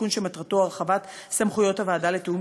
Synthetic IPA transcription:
unʃematʁato̞aʁeχavat̪ | samχujo̞thavaːdale̞teum

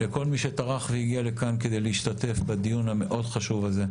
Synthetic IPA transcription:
leko̞lmiʃe̞t̪aʁaχvehiɡiale̞kanke̞d̪ejleiʃt̪at̪e̞fbad̪ijunhame̞ʔo̞d̪χaʃuvaze̞

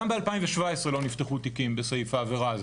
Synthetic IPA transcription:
mbealpaimveʃvaesʁelo̞nift̪eχut̪ikimbesaifaːveʁaz

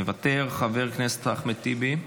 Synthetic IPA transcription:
evat̪e̞ʁχave̞ʁknese̥t̪aχmit̪ibi

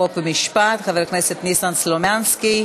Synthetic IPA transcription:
opvemiʃpat̪χaveʁkneset̪nisanslomanski

